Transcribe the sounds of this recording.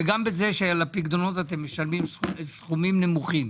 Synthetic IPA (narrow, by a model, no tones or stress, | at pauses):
eɡambeze̞ʃeajalapiɡd̪ono̞t̪at̪̬emːeʃalmimssχumimne̞muχim